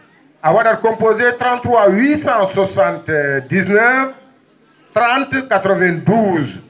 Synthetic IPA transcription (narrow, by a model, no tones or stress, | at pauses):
awadaɾkɔ̃mpozet̪ɾɑ̃nt̪ːɾwawisɑ̃swasãnt̪d̪iznɛv | t̪ɾɑ̃nt̪kat̪ɾəvɛ̃d̪uz